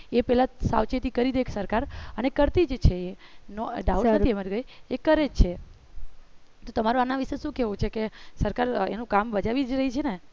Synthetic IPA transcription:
epɛɦlasa̰wt͡ʃet̪ikəɾid̪ekʰsəɾkaɾənekəɾt̪id͡ʒt͡ʃʰeenoɖaunnəimaɾiɡəjekəɾed͡ʒt͡ʃʰe | t̪ot̪əmaɾõanaʋiʃeʃũkeʋũt͡ʃʰekesəɾkaɾḛnũkambəd͡ʒaʋid͡ʒɾəɦit͡ʃʰene

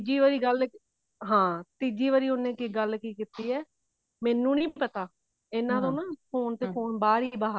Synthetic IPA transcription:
d͡ʒiːʋaɾiːɡəl | ɦãːt̪iːd͡ʒiːʋaɾiːʊnẽːkɪɡəlkiːkiːt̪iːɛː | mɛ̃ːnũːnĩːpət̪aː | ɪnãːd̪õːnãːpʰoːnt̪eːpʰoːnbaːɾiːbaːɦ

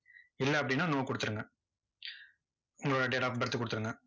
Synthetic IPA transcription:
ɪlːɐɐpːɐɽɪnːaːnoːkɔɽɯt̪ːɯɾɯŋɡɐ | ʊŋɡɐɭoːɽɐɖeːʈaːpbɐɾɐt̪ːɯkɔɽɯt̪ːɯɾɯŋɡɐ

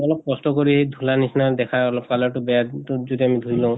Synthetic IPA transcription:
ɔlɔp̚kɔstɔkoɹihejdʱulanisnad̪ɛkʰajɔlɔp̚kalɔɹtʊbɛjazodiamid̪ʱuilɔ̃ʊ̃

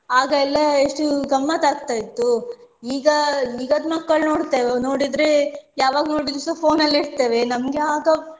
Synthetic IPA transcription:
aːɡɐɛlːɐeʂʈuɡɐmːɐt̪aːɡt̪aːjit̪ːuiːɡɐiːɡaːd̪mɐkːɐɭno̞ːɽt̪eːʋeno̞ːɽid̪ɾejaːʋaːɡɐnoːɽid̪ɾusɐpʰo̞ːnɐlːiɽt̪eːʋe̞nɐmɡeaːɡɐ

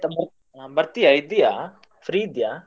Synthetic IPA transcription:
t̪ɐm | bɐɾt̪ijaid̪ija | fɾiːd̪ja

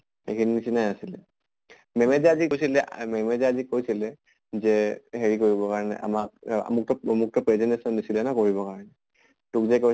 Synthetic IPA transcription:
xḛkʰininisinajnasilɛ̰ | mɛmɛzaazikojsilɛmɛmɛzaazikojsilɛ | zɛɦeɹikoɹibɔkaɹɔnɛ̰ʔa̰mak̚a̰muk̚tɔmuk̚tɔpɹɛzɛntesɔnːisilɛnɔkoɹiβɔkaɹɔnɛ | tukzɛko

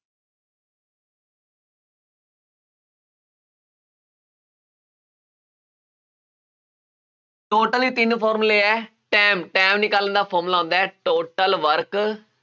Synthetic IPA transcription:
ʈoːʈəliːt̪ɪnpʰɔːɾmleːɛː | ʈɛːmʈɛːmnɪkaːlənd̪aːpʰoːɾmlaːõːnd̪aːɛːʈoːʈəlʋəɾk

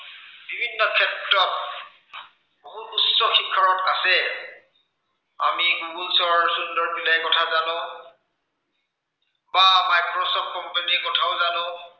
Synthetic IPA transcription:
bibʱinːɔkʰɛtɹɔt̚ | boɦutusːɔxikʰːaɹɔtasɛ | amiɡuɡulsɔɹsundɔɹbilajkɔtʰazanʊ̃ | bamajkɹɔsɔp̚kɔmpenikɔtʰaʊzanʊ̃

